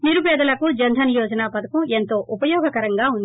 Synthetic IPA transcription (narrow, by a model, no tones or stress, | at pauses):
niɾupɛːd̪ɐlɐkud͡ʒɐnd̪ʱɐnijɔːd͡ʒɐnaːpɐd̪ɐkɐment̪o̞ːʔupɐjɔːɡɐkɐɾɐŋɡaːund̪i